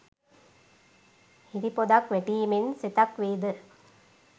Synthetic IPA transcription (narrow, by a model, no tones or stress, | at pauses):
hiɾipod̪ɐkʋɛʈiːmenset̪ɐkʋeːd̪ə